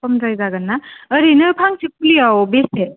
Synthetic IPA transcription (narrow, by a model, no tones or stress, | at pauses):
kɔmzajzaɡanːaəɾinɯpʰaŋsik̚ɯliawbese